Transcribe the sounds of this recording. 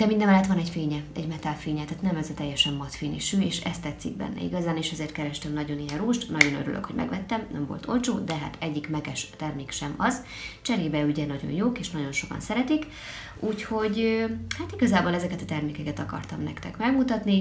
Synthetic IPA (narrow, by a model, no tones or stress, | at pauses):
d̪ɛmind̪ɛmɛlɛt̪ʋɒnɛɟfeːɲɛɛ̰ɟmɛt̪aːlfeːɲɛt̪aːt̪nɛmɛzɒt̪ɛjːɛʃɛmːɒt̪fiːnḭʃøːeːʃɛ̰st̪ːɛt̪sːḭɡ̚bɛ̰nːɛ̰ḭɡɒzaːneːʃɛzeːrt̪̚kɛɾɛʃt̪ɛmnɒɟo̞niɦɛnruːʃt̪nɒɟo̞nøɾylʔø̰kho̞ɟ̥mɛ̰ɡʋɛt̪ːɛmnɛ̰mvo̞̰lt̪ʰo̞lt͡ʃoːd̪ɛɦa̰t̪ɛɟːikmɛɡɛʃt̪ɛrmeːkʃɛmɒz | t͡ʃɛɾeːbɛyɟɛnɒɟo̞̰njoːkeːʃnɒɟo̞nʃo̞kɒ̰nsɛɾɛt̪ik | ʔuːcho̞ɟøhat̪iɡɒzaːboːlɛzɛkɛt̪ɒt̪ɛrmeːkɛkɛt̪ɒkɒ̰rt̪ɒmnɛ̰kt̪ɛkmɛɡmut̪ɒt̪ni